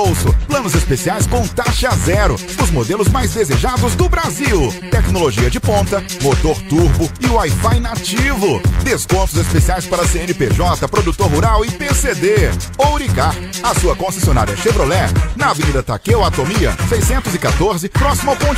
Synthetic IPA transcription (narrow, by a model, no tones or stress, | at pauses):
owsʊplɐ̃nʊzespesiajskõt̪aʃɐzɛɾʊ | ʊzmod̪elʊzmajzd̪ezeʒad̪ʊzd̪ʊbɾaziwt̪ɛknoloʒiɐd͡ʒɪpõnt̪ɐmot̪oɾt̪uɾbʊɪʊajfajnat͡ʃivʊd̪eskõt̪ʊzespesiajspaɾɐseẽnɪpeʒɔt̪ɐpɾod̪ut̪oɾɦuɾawɪpesed̪eowɾikaɾ | ɐsuɐkõsesiona̰ɾiɐʃebɾolɛnɐavẽniɾɐt̪akewat̪omiɐ̰sejsẽnt̪ʊzɪkat̪oɾzɪpɾɔsimɐwkõ